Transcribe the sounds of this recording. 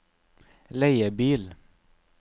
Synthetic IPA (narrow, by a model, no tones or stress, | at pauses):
læɪəbiːl